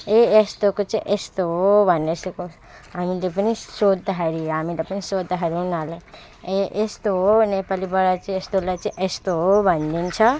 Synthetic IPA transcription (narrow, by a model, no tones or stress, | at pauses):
eest̪okot͡sĩʔest̪obʱʌneseko | ɦamilepənisod̪aɦaɾieɦamilepɐnisod̪ːaɦaɾɦunale | eʔest̪onepalibʌɽat͡ʃĩest̪olat͡sĩĩʔest̪obʱʌnd̪int͡ʃʰʌ